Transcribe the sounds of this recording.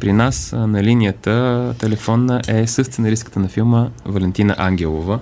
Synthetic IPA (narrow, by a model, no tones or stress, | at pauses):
pɾinasnɐlinijət̪ət̪ɛlɛfɔnːəʔɛsɤst̪ənɐɾiskə̥t̪ənɐfilˠməvɐlʲɛnt̪inə̰ʔaŋɡʲɛlˠo̰və